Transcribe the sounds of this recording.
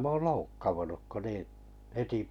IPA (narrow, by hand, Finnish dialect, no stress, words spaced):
mæ oːl loukːɑʋunuk ko niːĩ heti